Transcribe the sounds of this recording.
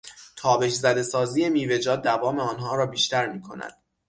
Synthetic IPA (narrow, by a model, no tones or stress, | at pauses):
t̪ʰɒːbe̞ʃzæd̪e̞sɒːziːje̞miːve̞d͡ʒɒːd̪̚d̪ːævɒːmeɒːnɦɒːɾɒːbiːʃt̪æɾmiːkʰo̞̰næ̰d̪̥